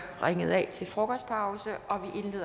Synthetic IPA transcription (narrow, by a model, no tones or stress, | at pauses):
ʁaŋəð̞̩ˠɛt͡sʰe̝lfʁɔɡ̥ɒspʰɑ̈ʊsəʔɒ̽ʋiʔe̝nleːðˠ